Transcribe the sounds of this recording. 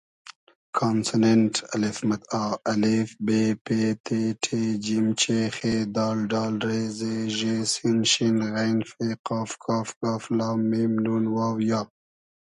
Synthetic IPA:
kʰaːnseneɳʈɐlɪfmɐt̪ɑːɐlifbepet̪ʰeʈʰed͡ʒimt͡ʃexed̪ɑːlɖɑːlɾezeʒesinʃinɣajnfeqɑːfkʰɑːfkɑːflɑːmimnunwɑːwjɑːb̚

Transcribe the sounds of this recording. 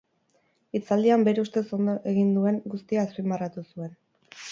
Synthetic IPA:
it͡sald̪iambe̞ɾeust̪e̞so̞nd̪oʔe̞ɣind̪ue̞ŋɡust̪iaːspimarat̪usue̞n

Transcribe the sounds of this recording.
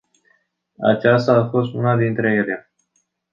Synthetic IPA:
a̰t͡ʃast̪aːfo̞st̪unad̪int̪ɾe̞je̞lea

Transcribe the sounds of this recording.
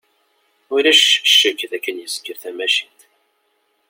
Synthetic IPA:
ʊɾæʃʃːəkːðækːənjəskːəɾθæmæʃint̪

